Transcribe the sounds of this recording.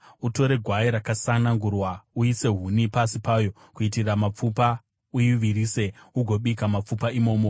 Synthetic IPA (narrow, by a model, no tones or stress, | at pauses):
uto̞ɾe̞ɡʱwaiɾakasanaŋɡurwauise̞ɦunipasipaːjo̞ | kuitiramap͡fupa | ujiʋiɾiːse̞uɡʱo̞ɓikamap͡fupaimo̞ːmo